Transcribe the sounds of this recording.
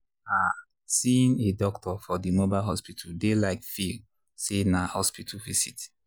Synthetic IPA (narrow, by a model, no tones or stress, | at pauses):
a | sĩnedɔktʰɔfɔdimobaɪlɦɔspitʰaldelaɪkfil | senahɔspitʰəlvisit